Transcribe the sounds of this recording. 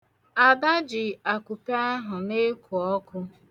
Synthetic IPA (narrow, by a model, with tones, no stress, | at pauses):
a˨da˦d͡ʒɪ˨a˨kʷu˨pa˦ɦʊ˨ne˦ku˨ɔ˦kʊ˦